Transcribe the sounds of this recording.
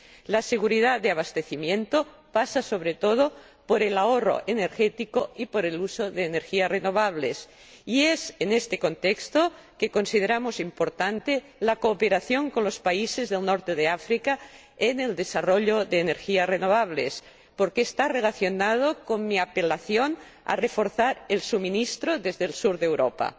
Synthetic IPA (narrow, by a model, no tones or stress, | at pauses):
laseɣ̞uɾið̞ad̪eaβ̞ast̪eθimjẽnt̪o | pasaso̞βɾet̪oð̞o | poɾelaoro̰ʔeneɾxet̪ikoipoɾelusoðeːneɾxiarenoβaβ̞les | iesenest̪eko̞nt̪ekst̪o | kekonsið̞eɾamosimpoɾt̪ant̪e | lakoːpeɾaθjoŋkonlospaisezðelnoɾt̪eðeafɾika | eneld̪esaroʎoðeːneɾxiarenoβ̞aβles | poɾkeːst̪arelaθjonað̞okonmiapelaθjon | a̰refoɾθaɾelsuminist̪ɾoðezðelsuɾðewɾopa̰